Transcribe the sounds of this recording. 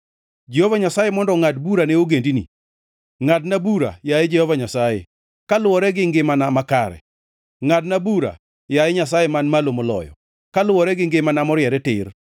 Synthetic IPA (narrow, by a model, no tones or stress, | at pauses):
d͡ʒehovaɲasajemɔndɔŋadbuɾaneoɡendinḭ | ŋad̚nabuɾa̰jaed͡ʒɛhɔvaɲasajḛ | kalʊwɔɾɛɡɪŋɡɪmanamakaɾɛ̰ | ŋadnabuɾa̰ | jaeɲas̬ajemanmalomolɔ̰jɔ̰ | kalʊwɔɾɛɡɪŋɡɪmanamɔɾɪjɛɾɛtɪr